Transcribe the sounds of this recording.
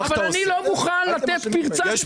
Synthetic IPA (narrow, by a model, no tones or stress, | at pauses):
vallanilomuχanlat̪et̪piʁt͡sa